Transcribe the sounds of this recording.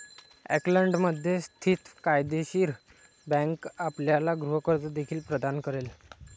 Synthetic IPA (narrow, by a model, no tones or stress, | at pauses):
ɛ̰kləɳɖməd̪ʱjest̪ʰiːt̪kajd̪eɕiːɾ | bɛ̃ŋkapljalaɡɾuɦəkəɾt͡səd̪ekʰiːlpɾəd̪ankəɾel